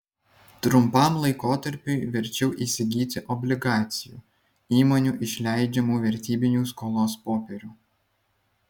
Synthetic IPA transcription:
t̪ɾʊmpɑˑmlˠɐɪkoːt̪ɐɾʲpʲuːʋʲɛɾʲt͡ʃʲɛʊʔiːsʲɪɡʲiːt̪ʲɪʔɔbʲlʲɪɡɑːt̪sʲɪjṵː | iːmoːnʲuːʔɪʃʲlʲæˑɪd͡ʒʲɛmuːʋʲɛɾʲt̪ʲiːbʲɪnʲuːskoːlˠoːspoːpʲɛɾʲuː

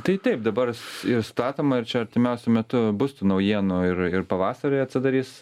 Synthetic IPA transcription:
t̪ɐɪt̪ɐɪp̚d̪ɐbɐrsɪɾst̪ɑːt̪oːmɐɪrt͡ʃʲɛɐɾʲt̪ʲɪmʲɛʊsʲʊmʲɛt̪ʊbʊst̪ʊnɐʊjiɛnoːɪrɪrpɐʋɑːsɐɾɐɪɐt̪ʲsʲɪd̪ɐɾʲiːs

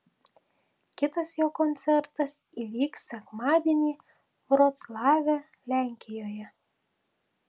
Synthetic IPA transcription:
kʲɪt̪ɐsjoːkɔnʲt̪sʲɛɾt̪ɐs | iːʋʲiːksʲɛkmɑːd̪ʲiɛnʲiː | ɾot̪slˠɑːʋʲɛ | lʲæˑŋʲkʲɪjoːjɛ

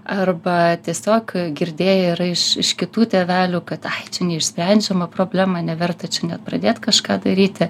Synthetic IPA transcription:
ɐrbɐt̪ʲiɛsʲoːkɡʲɪɾʲd̪ʲeːjɛɪɾɐɪʃɪʃkʲɪt̪uːt̪ʲɛʋʲæːlʲuːkɐt̪ɐt͡ʃʲɛnʲɛɪʃʲsʲpʲɾʲɛnʲd͡ʒʲɛmɐpɾoːbʲlʲæːmɐnʲɛʋʲɛrt̪ɐt͡ʃʲɛnʲɛt̪̚pɾɐd̪ʲeːt̪kɐʃkɑːd̪ɐɾʲiːt̪ʲɪ

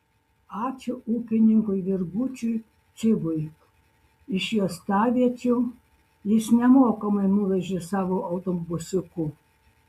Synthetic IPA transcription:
ɑːt͡ʃʲʊʔuːkʲɪnʲɪŋkʊjʋʲɪɾɡuːt͡ʃʲʊj | t͡s̪ʲɪbʊj | ɪʃjoːst̪ɑːʋʲiɛt͡ʃʲu | jɪsnʲɛmoːkɐmɐɪnuʋʲɛʒʲeːsɑːʋoʔɐʊt̪ombʊsʲʊkʊ

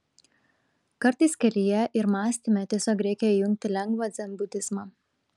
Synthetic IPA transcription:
kɐɾt̪ɐɪskʲɛlʲɪjɛʔɪɾmɑːsʲt̪ʲimʲɛt̪ʲɛsʲoːkɾʲɛɪkʲɛijʊŋʲk̚t̪ʲɪlʲɛŋɡʋɐːd̪zʲɛmbʊt̪ʲɪzmɑ

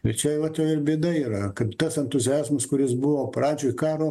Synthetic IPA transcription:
ɪt͡ʃʲɛʋɐt̪jɛʊɪrbʲiɛd̪ɐiːɾɐkɐpt̪ɐsɛnt̪ʊzʲɪæːzmɐskʊɾʲɪsbʊʋoːprɑːd͡ʒʲoːɪkɑːɾoː

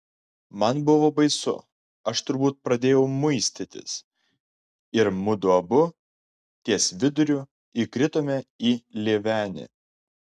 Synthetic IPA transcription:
mɐnbʊʋoːbɐɪsʊ̰ | ɐʃt̪ʊɾbuːt̪̚pɾɐd̪ʲeːjɛʊmʊɪsʲt̪ʲɪt̪ʲɪ̰s | ɪɾmʊd̪ʊɐbʊ | t̪ʲiɛsʲʋʲɪd̪ʊɾʲu | ikɾʲɪt̪oːmʲɛiːlʲeːʋʲæːnʲɪ̰

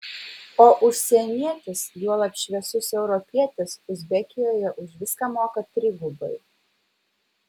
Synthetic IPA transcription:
oːʔʊʃʲsʲɛɛnʲiɛt̪ʲɪsjuɔlˠɐpʲʃʲʋʲɛsʊsɛʊɾɔpʲiɛt̪ʲɛsʊzʲbʲɛkʲɪjoːjɛʔʊʃʲʋʲɪskɑmoːkɐt̪ʲɾʲɪɡʊbɐ̰ɪ

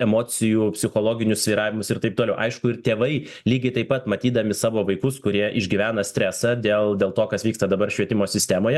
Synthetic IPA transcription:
ɛmoːt͡s̪ʲɪjuːpʲsʲɪxoːlˠoːɡʲɪnʲʊssʲʋʲiːɾɑːʋʲɪmʊsɪɾt̪ɐɪp̚t̪oːlʲɛʊʔɐɪʃkʊɪɾt̪ʲeːʋɐɪ | lʲiːɡʲɪt̪ɐɪpɐt̪mɐt̪ʲiːd̪ɐmʲɪsɑːʋoːʋɐɪkʊskʊɾʲiɛʔɪʒʲɡʲiʋʲæːnɐsʲt̪ʲɾʲæːsɑd̪ʲeːlˠd̪ʲeːlˠt̪oːkɐsʋʲiːkst̪ɐd̪ɐbɐɾʃʲʋʲiɛt̪ʲɪmoːsʲɪsʲt̪ʲæːmoːjɛ

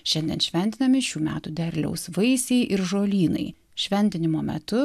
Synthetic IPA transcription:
ʃʲɛnʲd̪ʲɛ̰nʃʲʋʲɛnʲt̪ʲɪnɐmʲɪʃʲuːmʲæːt̪ud̪ʲɛɾʲlʲɛ̰ʊsʋɐɪsʲeɪʔɪɾʒoːlʲiːnɐ̰ɪ | ʃʲʋʲɛnʲt̪ʲɪnʲɪmoːmʲɛ̰t̪ʊ

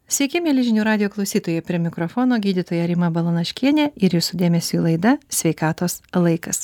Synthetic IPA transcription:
sʲʋʲɛɪkʲɪmʲeːlʲɪʒʲɪnʲuːɾɑːd̪ʲɪjoːklˠɒʊsʲiːt̪oːjɛpʲɾʲiɛmʲɪkɾɔfoːnoːɡʲiːd̪ʲɪt̪oːjɛɾʲɪmɐbɐlˠɐnɐʃʲkʲiɛnʲɛːɪɾjɪsʊd̪ʲeːmʲɛsʲulˠɐɪd̪ɐsʲʋʲɛɪkɑːt̪oːslˠɐɪkɐs

